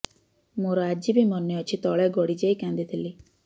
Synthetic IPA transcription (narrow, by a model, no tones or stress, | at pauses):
moɾɔad͡ʒibimɔneɔt͡ʃʰit̪ɔɭɛɡɔɽid͡ʒejkãnd̪it̪ʰili